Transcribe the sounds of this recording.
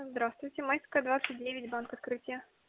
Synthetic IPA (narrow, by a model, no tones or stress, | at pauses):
zd̪ɾast̪vʊjtʲɪmajʲsʲkəd̪vat̪sɨt̚ʲdʲevʲɪtʲbankɐt̪kɾɨtʲɪjə